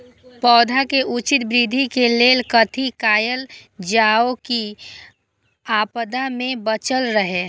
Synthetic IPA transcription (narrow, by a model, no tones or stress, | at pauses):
pɔːd̪ʱakeʔut͡ʃɪt̪̚bɾid̪ʱikeleːlkət̪ʰikaːjəld͡ʒaːoki | aːpəd̪amẽbət͡ʃəlɾəɦeː